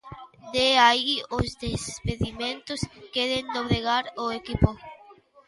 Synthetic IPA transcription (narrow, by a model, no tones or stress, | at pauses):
d̪eaiozd̪espeðimẽnt̪ʊskeðend̪oβɾeɣaɾoekipʊ